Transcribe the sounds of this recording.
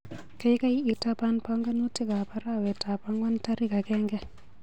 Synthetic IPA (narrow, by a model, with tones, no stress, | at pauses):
ke˦jka˦ji˦ʔi˨ta˦panpa˦ŋɡa˦nu˦ti˦ka˨pa˦ɾawɛ˨ta˨pa˦ŋɡa˦nta˦ɾi˦ka˨kɛŋɡɛ